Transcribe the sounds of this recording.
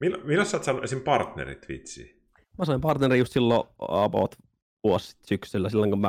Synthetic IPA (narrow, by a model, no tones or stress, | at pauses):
milːmilːæsːɑːt̪sɑnːuʔesimpɑrt̪nḛɾḭt̪ʋḭt̪sḭː | mæsɑimpɑrt̪neriːjust̪silːoɑ̰po̰t̪ | ʋuosi̥t̪syksylːæsilːoŋkumæ